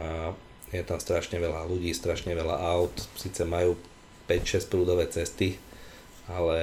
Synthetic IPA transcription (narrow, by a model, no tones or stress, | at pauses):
a | jɛt̪amst̪ɾaʃɲɛʋɛlaluɟiːst̪ɾaʃɲɛʋɛla̰ʔaʊt̪siːt͡sɛmajuː | pɛcʃɛspɾuːd̪ɔʋɛːt͡sɛst̪i | alɛ